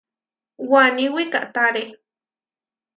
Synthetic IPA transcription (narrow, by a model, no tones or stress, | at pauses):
waniwikaʔt̪aɾe